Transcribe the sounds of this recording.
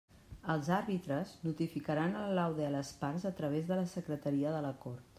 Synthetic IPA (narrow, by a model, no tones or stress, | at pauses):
əlˠzaɾβit̪ɾəznut̪ifikəɾanəllawðeələsparzət̪ɾəβ̞ezðələsəkɾət̪əɾiəðələkoɾt̪